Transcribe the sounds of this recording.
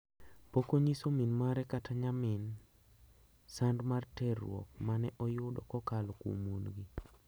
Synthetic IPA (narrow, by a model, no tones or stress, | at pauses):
pokoɲisominmaɾɛkatʰaɲamɪn | sandmartɛrːw̰ɔ̰k̚manɛʔɔjʊdɔ̰kɔkalɔkṵmunɡi